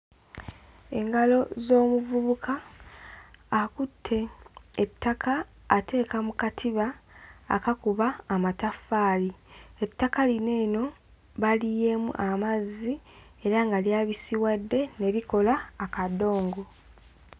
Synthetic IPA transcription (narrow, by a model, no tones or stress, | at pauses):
e̞ŋɡalo̞zo̞ːmuvuβukʰa | kutʰːe̞ː | tʰːakʰaː | te̞ːkamukatʰiβa̰ː | kakuβaːmatafːaːlie̞tːakaline̞ːno̞ | βalije̞mṵʔamazːi | e̞ɾaŋɡaljaːβisiwadːe̞ne̞βiko̞laːkado̞ːŋɡo̞